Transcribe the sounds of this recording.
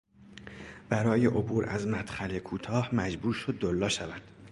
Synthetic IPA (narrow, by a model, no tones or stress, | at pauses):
b̥æɾɒːje̞ʔobuːɾæ̰zmæt̪χælekʰuːt̪ʰɒːhmæd͡ʒbuːɾʃo̞d̪ːolːɒːʃævæd̪̥